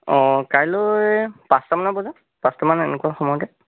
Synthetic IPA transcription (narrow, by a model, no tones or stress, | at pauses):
ɔ̃kajlojjpastamanɔbɔza | pastamanɛnɛkuaxɔmɔjɔdɛ